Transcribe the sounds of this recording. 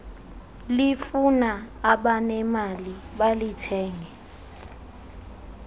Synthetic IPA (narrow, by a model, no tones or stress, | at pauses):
lifunaː | ɓanɛmaliɓalitʰɛːŋʱɛ